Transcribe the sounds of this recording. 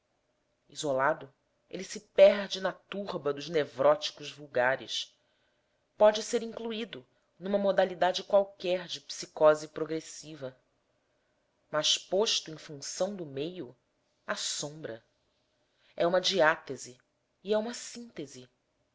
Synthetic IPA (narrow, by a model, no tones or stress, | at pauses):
izolad̪ʊ | ḛlɪsɪpɛɾd͡ʒɪnɐt̪uʁbɐd̪ʊznevɾɔt͡ʃi̥kʊʒvuwɡaɾɪ̰ʃ | pɔd͡ʒɪseɾĩŋkluid̪ʊ | nũmɐmod̪alid̪ad͡ʒɪkwawkɛɾd͡ʒɪpsikɔzipɾoɡɾesivɐ | mɐʃpoʃt̪ʊẽj̃fũŋsɐ̃w̃d̪ʊmejʊ | asõmbɾɐ | ɛũmɐd͡ʒiat̪eziː | ɛũmɐsĩnt̪ezi